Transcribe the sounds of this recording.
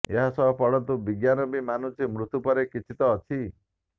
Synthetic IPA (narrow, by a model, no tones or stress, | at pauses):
eɦasɔbɔpɔɽɔnt̪ubiɡjanɔbimanut͡ʃʰimɾut̪upɔɾekit͡ʃʰit̪ɔːt͡ʃʰi